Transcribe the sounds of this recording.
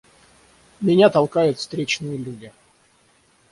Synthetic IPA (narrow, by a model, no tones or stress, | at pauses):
mʲɪnʲat̪ɐlˠkajʊt̪fst̪ɾʲet͡ɕnɨjəlʲudʲɪ